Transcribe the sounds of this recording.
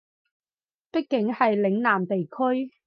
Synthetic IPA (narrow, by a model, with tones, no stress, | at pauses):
pɪ˥k̚kːɪ˨˥ŋhɐ˨jlɪ˨˥ŋnaː˨˩mt̪e˨jkʰɵ˥ɥ